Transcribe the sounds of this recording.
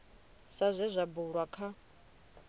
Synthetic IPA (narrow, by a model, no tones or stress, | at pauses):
sazʷɛzʷabuɺwakʰa